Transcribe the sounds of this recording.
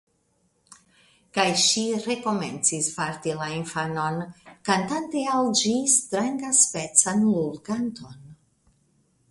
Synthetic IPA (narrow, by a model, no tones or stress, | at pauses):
kajʃiɾe̞ko̞me̞nt͡sispaɾtilainfano̞nkantanteald͡ʒistɾaŋɡaspe̞t͡sanluɾɡanto̞n